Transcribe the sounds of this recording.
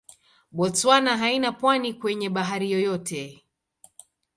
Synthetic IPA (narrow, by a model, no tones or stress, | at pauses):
ɓɔt͡swanaɦainapwanikwɛɲɛɓaɦaɾijɔjɔtʰɛ